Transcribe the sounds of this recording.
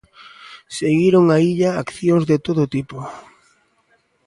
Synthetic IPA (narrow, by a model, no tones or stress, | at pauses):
seɣiɾoŋaiʎaakθjoŋzðet̪oðʊt̪ipo